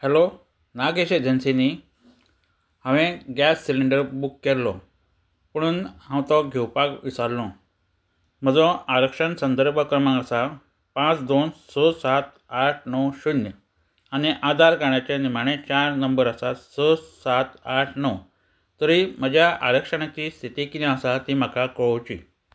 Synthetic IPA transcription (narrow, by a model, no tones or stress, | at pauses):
hɛlo | naɡeɕed͡ʑənsini | ɦãʋẽɡasːiliɳɖəɾbukːelːɔ | pəɽ̃uːnhãwt̪ɔɡʱewpakʋisaɾlɔ̃ | m̤əd͡zɔ̃aɾəkʂənsənd̪əɾbʱəkɾəmãŋɡəsa | pãt͡sd̪onsɔsat̪ | aʈʰnɔwɕunjə | aniʔad̪aɾkaɳjat͡ɕenim̤aɽ̃et͡ɕaɾnəmbəɾəsasəsat̪aʈʰnɔ | t̪əɾim̤əd͡ʑʱjaʔa̰ɾəkʂəɳ̃at͡ɕiːst̪ʰit̪ikinãəsat̪im̤akakəɭɔwt͡ɕḭː